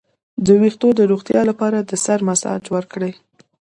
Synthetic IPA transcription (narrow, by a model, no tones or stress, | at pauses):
d̪əwixt̪od̪əɾoɣt̪jɑlapɑɾad̪əsaɾmasɑ̰d͡ʒwəɾkɽəj